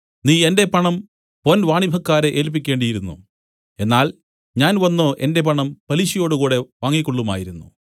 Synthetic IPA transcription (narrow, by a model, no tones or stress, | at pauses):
niːe̞nde̞pɐɳɐm | ponʋaːɳibʱɐkːaːɾeʔeːlp̬ːikʲːe̞ːɳɖijiɾunːṵ | e̞nːaːl | ɲaːnʋɐnːo̞ːʔe̞nde̞pɐɳɐmpɐliɕijo̞ːɽukuːɽe̞ʋaːŋːikːoɭːuma̰ːjiɾunːṵ